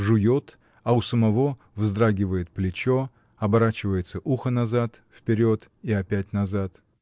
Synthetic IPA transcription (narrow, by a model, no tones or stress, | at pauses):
ʐɨjo̞t̪ | ɐʊsəmɐvo̞ | vzd̪ɾaɡʲɪvəjɪt̪̚plʲɪt͡ɕo | ɐbɐɾat͡ɕɪvəjɪt̪səʔuxənɐzat̪fpʲɪɾʲo̞t̪ | iɐpʲæt̚ʲnɐzat̪